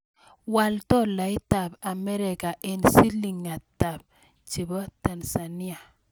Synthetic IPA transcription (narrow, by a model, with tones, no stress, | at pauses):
wa˨ltɔ˦la˨i˦ta˨ba˨mɛ˦ɾɛ˨ka˨ʔe˨nsi˦li˨ŋa˨ta˨b̚ | t͡ʃi˨bɔ˦ta˨nsa˨ni˦a˨